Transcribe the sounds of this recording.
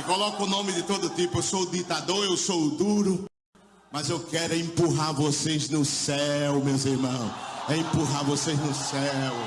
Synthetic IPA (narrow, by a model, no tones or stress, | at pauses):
ɪkolɔkʊnõmɪd̪ɪt̪od̪ʊt̪ipʊewsod̪it̪ad̪oɾewsowd̪uɾʊ | mɐzewkɛɾʊẽmpuɦaɾvoseznʊsɛwmewziɾmɐ̃w̃sẽpuɦaɾvoseznʊsɛw